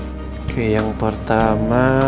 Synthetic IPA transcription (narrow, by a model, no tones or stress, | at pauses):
kʰəjaŋpərt̪ama